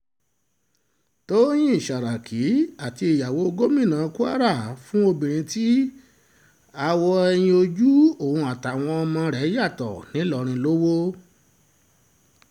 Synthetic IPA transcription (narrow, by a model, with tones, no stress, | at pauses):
to˦j̃ĩ˦i˦˨ʃa˨ɾa˨kʰi˨˦a˨ti˧i˨ja˨wo˨˦o˧ɡo˦mĩ˦˨nãː˨˧ku˦a̰˦ɾa˦˨fũ˦o˧bĩ˨ɾ̃ĩ˧ti˦ | a˧wɔ˧ɛ˧j̃ĩ˧o˧d͡ʒu˦o˨ũ˧a˨ta˨w̃ɔ̃˧ɔ˧mã˧ɾɛ˨˦ja˦˨tɔ̰˨nĩ˨˦lɔ˨ɾ̃ĩ˧lo˦wo˦